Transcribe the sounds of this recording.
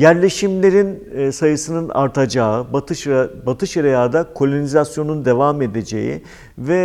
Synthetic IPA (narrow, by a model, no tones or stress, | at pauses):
jæɾlʲe̞ʃimlʲe̞ɾinsajɯsɯnɯna̰ɾt̪ʰad͡ʒaːɯb̪bat̪ʰɯʃeɾejaːd̪akʰo̞lʲonizasjo̞nund̪e̞vame̞d̪ed͡ʒe̞̰jḭ | vɛ